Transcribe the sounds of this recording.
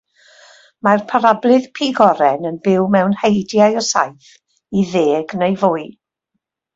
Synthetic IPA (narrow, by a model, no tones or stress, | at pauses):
marpʰaɾablˠɨð̥pʰiɡɔɾɛnənbɪwmɛwnhejdjajɔsa̰jθ | iðeːɡnejvʊɨ